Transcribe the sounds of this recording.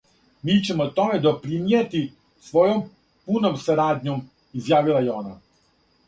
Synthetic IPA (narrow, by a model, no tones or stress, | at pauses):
miːt͡ɕe̞mot̪o̞me̞d̪o̞pɾimijet̪i | sʋo̞jom | punomsaɾaːd̪ɲo̞m | izjaːʋilˠajeo̞na